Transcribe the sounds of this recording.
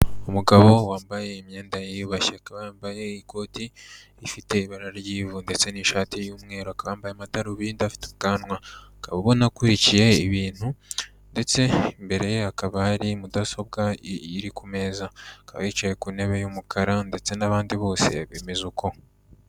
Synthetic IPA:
umuɡaβo̞waːmbaje̞imɲe̞ːndajijuβaçeakaβajaːmbaje̞iko̞ːti | ifite̞iβaɾaɾɟiːvunde̞t͡se̞niʃaːtijuːmŋe̞ːɾoakaβaːmbajeamadaɾuβindafi̥tuɡanwakaβaβo̞nakuɾicije̞iβiːn̥hu | nde̞t͡se̞imbe̞ɾe̞jeakaβahaɾimudaso̞bɡaiɾikume̞ːzakaβa̰it͡ʃajekune̞βe̞jumukʰaɾande̞t͡se̞naβaːndiβo̞ːse̞̰βeːme̞zukʰo̞

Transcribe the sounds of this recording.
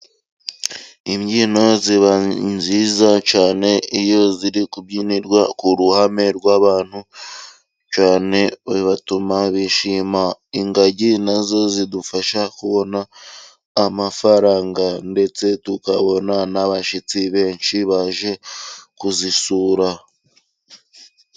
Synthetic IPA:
imɟiːno̞ziβanzizat͡ʃaːne̞ijo̞ziɾikubɟiːniɾɡwakuɾuhame̞ɾɡwaːβaːn̥hu | t͡ʃaːne̞βiβatumaβiʃiːmaiŋɡaɟinazo̞zidufaʃakuβo̞naː | mafaɾaːŋɡande̞t͡se̞tukaβo̞nanaβaʃit͡siβe̞ːɲʃiβaʒe̞kuzisuːɾa

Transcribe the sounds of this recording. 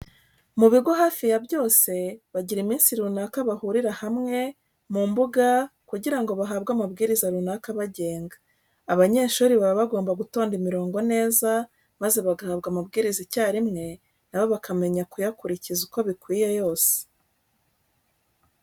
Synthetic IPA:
muβiɡo̞ɦaːfijabjo̞ːse̞βaɟiɾimiːnsiɾunakaβahuɾiɾahamŋe̞ | mumbuɡakuɟiɾaŋɡo̞βaɦabɡamabɡiːɾizaɾunakaβaɟe̞ːŋɡaː | βaɲe̞ːʃuːɾiβaβaβaɡo̞ːmbaɡuto̞ːndimiɾo̞ːŋɡo̞ne̞ːza | maze̞βaɡahaːbɡamabɡiːɾizacaːɾimŋe̞ | naβo̞βakame̞ɲakujakuɾicizuko̞βikwiːje̞jo̞ːse̥

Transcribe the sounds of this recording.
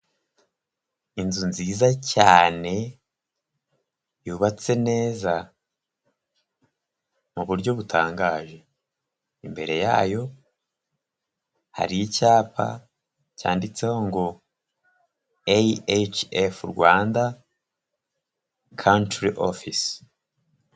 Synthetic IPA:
inzunziːzacaːne̞ | juːβat͡se̞ne̞ːza | muβuɾɟo̞βutʰaːŋɡaːʒe̞ | imbe̞ɾe̞ja̰ːjo̞ | ha̰ɾijicaːpʰa̰ | ca̰ːndit͡seho̞ŋɡo̞ | eet͡ʃefuɾɡwaːnda | kʰawntɾiʔo̰fis

